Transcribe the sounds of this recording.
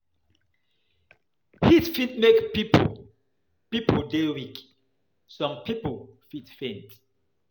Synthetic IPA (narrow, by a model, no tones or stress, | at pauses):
hitfit̚mekpip | pipəldewik | sɔ̃mpiplfitfẽnt